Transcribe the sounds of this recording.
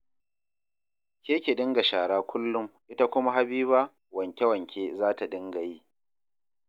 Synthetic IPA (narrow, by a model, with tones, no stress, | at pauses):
kʲeː˦kʲe˨ɗɪ˦ŋɡa˨ʃaː˨ɽaː˦kʷʰʊ˦lːʊ˦mʔɪ˦ta˦kʷʊ˦ma˦ɦa˦biː˦baː˦ | wɐ˨ŋkʲe˦wɐ˨ŋkʲeː˦zaː˦ta˨ɗɪ˦ŋɡa˨jiː˦